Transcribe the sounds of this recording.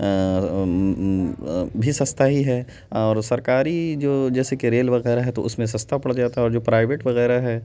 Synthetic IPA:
bʱisɐ̃st̪ʰaɦiɦɛː | ɔːɾsɐɾkaːɾid͡ʒoːd͡ʒɛːsekeɾeːlʋɐɣɛːɾaɦɛt̪o̰ʊsmẽs̬ɐ̃st̪ʰapɐɽd͡ʒaːt̪aɦɛɔːɾd͡ʒoːpɾaːɪʋeːʈʋɐɣɛːɾaɦɛː

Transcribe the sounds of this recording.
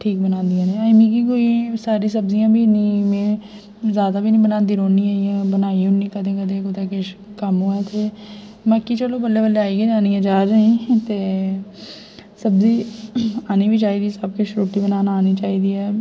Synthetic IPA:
ʈʰiːk̚bənãːnd̪ijãːneːamĩːkiːkoːisaːɾiːsəbzijãːbʱiːniːmẽː | zjaːd̪aːbʱiːnĩːbənaːnd̪iːɾoːnĩːaːiãːbənaːiːʊnːĩːkəd̪ẽːkəd̪ẽːkot̪eːkekəmɦoːɛːt̪ʰeː | məkːiːt͡ʃəloːbəlːeːbəleaːiːeaːniɛ̃ːd͡ʒaːd͡ʒaĩːt̪eː | səbziːaːniːbʱiːt͡ʃaːiːd̪iːsəbkeʃɾoːʈiːbənaːnaːniːt͡ʃaːiːd̪iːɛː

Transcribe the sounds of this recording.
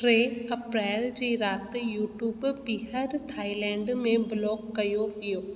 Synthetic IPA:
ɾeɐpɾɛːld͡ʑiːɾaːt̪juːʈjuːbpɪɦəɾt̪ʰaːilɛ̃ːɳɖmẽblɔːkːɐjoʋijoː

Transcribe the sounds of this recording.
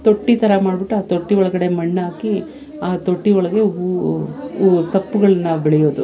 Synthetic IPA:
t̪oʈːit̪ɐɾɐmaːɖbiʈːuaːt̪oʈːiɔɭɐɡɐɽe̞mɐɳːaːki | aːt̪oʈːiɔɭɐɡe̞ɦu | sɐpːuɡɐɭɐnːɐbɛɭɛjoːd̪u

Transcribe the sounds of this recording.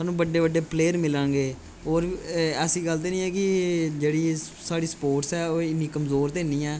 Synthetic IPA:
saːnũːbəɖːeːbəɖːeːpleːəɾmɪlãːɡeː | oːɾɛːsiːɡəlt̪̬eːnĩːɛːkɪd͡ʒeːɽiːsaːɽiːsə̥poːɾʈsɛːoːɪnːiːkəmzoːɾt̪ẽːniːɛː

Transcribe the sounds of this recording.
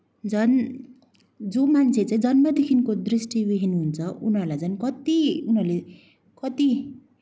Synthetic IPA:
d͡zʌn | d͡zomant͡sʰet͡saĩd͡zʌnmʌd̪ekʰinkod̪risʈibiɦinɦunt͡sʰʌunʌrlad͡zʌnkʌt̪iunɦʌrle | kʌt̪i

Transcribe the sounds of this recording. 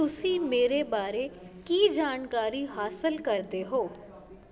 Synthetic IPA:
ʊsimeːɾebaːɾekid͡ʒaːnkaːɾiɦaːsəlkɐɾd̪eɦoː

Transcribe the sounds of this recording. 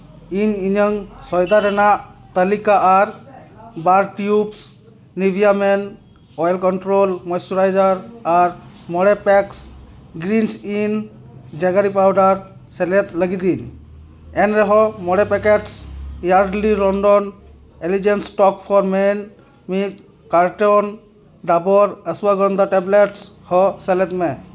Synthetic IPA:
iɲiɲəŋsɔjd̪aɾɛnaʔt̪əlikaʔaɾbaɾʈjups | nibʱijamɛn | ɔjlkɔɳʈɾolmɔjsɔɾajd͡ʒaɾaɾ | mɔɽɛpɛksɡɾinsin | d͡ʒɛɡaɾipʰawɖaɾ | sɛlɛt̪ləɡid̪iɲ | ɛnɾɛɦɔmɔɽɛpɛkeʈsjaɾɖliɾɔnɖɔn | elid͡ʒensʈɔkpʰɔɾmen | mit̪ | kaɾʈɔn | ɖabɔɾəsuwaɡɔnd̪aʈɛbleʈs | hɔsɛlɛt̪mɛ

